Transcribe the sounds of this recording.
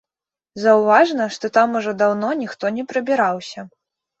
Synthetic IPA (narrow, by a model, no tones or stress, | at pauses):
zɐwvaʐnɐʂt̪ɔt̪amuʐɔd̪awnɔnʲixt̪ɔnʲɛpɾɐbʲiɾawsʲɐ